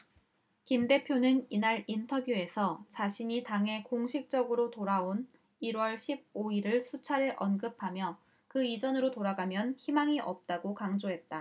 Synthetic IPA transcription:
kimde̞pʰjonɯninaɾintʰʌbjue̞sʰʌt͡ɕaɕʰiɲitaŋɦe̞koŋɕʰik̚t͡ɕ͈ʌɡɯɾotoɾaon | iɾwʌɭɕʰib̚oiɾɯɭsʰut͡ɕʰaɾɯʔʌnɡɯpʰamjʌ | kɯid͡ʑʌnɯɾotoɾaɡamjʌnçimaŋiʔʌp̚t͈aɡokaŋd͡ʑoɦe̞t̚t͈a

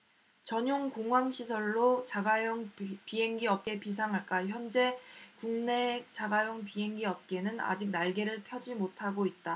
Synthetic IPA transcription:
t͡ɕʌɲoŋkoŋwaŋɕʰisʰʌɭːot͡ɕaɡajoŋpiɦe̞ŋɡiʌp̚k͈e̞pis̬ʰaŋɦaɭk͈açjʌnd͡ʑe̞kuŋne̞t͡ɕaɡajoŋpiɦe̞ŋɡiʌp̚k͈e̞nɯna̰d͡ʑik̚naɭɡe̞ɾɯɭpʰjʌd͡ʑimotʰaɡoit̚t͈a

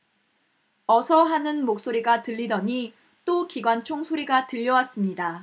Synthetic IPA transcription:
ʌsʰʌɦanɯnmok̚s͈oɾiɡatɯʎːidʌɲi | t͈okiɡwant͡ɕʰoŋsʰoɾiɡatɯʎːʌwas͈ɯmɲida

